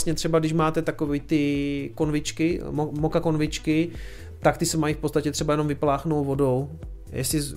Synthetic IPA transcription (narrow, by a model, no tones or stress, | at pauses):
sɲɛt̪r̥ɛbaɡdɪʃmaːt̪ɛt̪akoviːt̪ɪkonvɪt͡ʃkɪmmokako̞nvɪt͡ʃkɪ | t̪akt̪ɪsɛmajifpott͡st̪acɛt̪r̥ɛbajɛno̞mvɪplaːxnowvo̞do̞w | jɛ̰sɪ